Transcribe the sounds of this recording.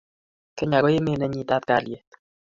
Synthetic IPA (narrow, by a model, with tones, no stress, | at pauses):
kɛ˦ɲa˨ɡɔ˦je˦me˦˨nɛ˦ɲi˦t̪a˦t̪̚ka̰˨lje˦t̪